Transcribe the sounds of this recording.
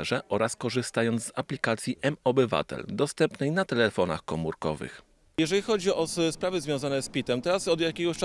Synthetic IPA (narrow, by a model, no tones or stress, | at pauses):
ʐɛʔɔɾaskɔʐɘst̪ajɔnd̪zaplʲikat̪sʲjiʔɛmɔbɘva̰t̪ɛ̰ld̪ɔst̪ɛmpnɛjnat̪ɛlɛfɔna̰xkɔmuɾkɔ̰vɘ̰x | jɛʐɛlʲixɔd͡ʑiɔspɾavɘzvʲjɔ̃w̃zanɛspʲit̪ɛmt̪ɛɾasɔd̪jakʲɛɡɔɕt͡ʂ